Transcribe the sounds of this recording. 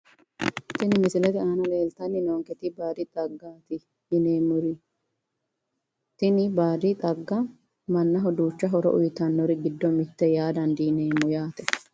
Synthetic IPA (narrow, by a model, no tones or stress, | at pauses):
t̪ɪnɪmɪsɪlɛt̪ɪaːnɐle̞ːlt̪ɐnːɪnoːŋkɛt̪ɪbaːd̪ɪt̪ʼɐɡːaːt̪ɪ | jɪneːmʊɾɪ | t̪ɪnɪbaːd̪ɪt̪ʼɐɡːɐ | mɐnːɐɦɔd̪uːt͡ʃːɐɦɔɾɔ̰ʔʊ̰jt̪ɐnːɔɾɪɡɪd̪ːɔmɪt̪ːɛjaːd̪ɐnd̪iːne̞ːmːʊjaːt̪ɛ